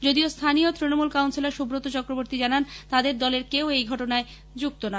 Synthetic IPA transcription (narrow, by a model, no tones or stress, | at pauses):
d͡ʑod̪iost̪ʰanijot̪ɾinomulkawnselaɾʃubɾot̪ot͡ɕɔkɾoboɾt̪id͡ʑanant̪ad̪eɾd̪ɔleɾkeoejɡʱɔʈonae | d͡ʑuk̚t̪ona